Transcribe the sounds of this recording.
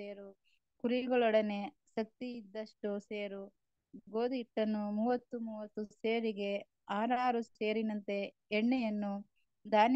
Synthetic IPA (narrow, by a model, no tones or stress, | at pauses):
eːɾu | kuɾiɡɐɭɔɽɐne̞ | ʃɐk̚t̪iːd̪ːɐʂʈuseːɾu | ɡoːd̪iʈːɐnːumuːʋɐt̪ːumuːʋɐt̪ːuseːɾiɡe̞ | aːɾaːɾuse̞ːɾinɐnt̪e̞ː | ɳːejɐnːu | d̪aːn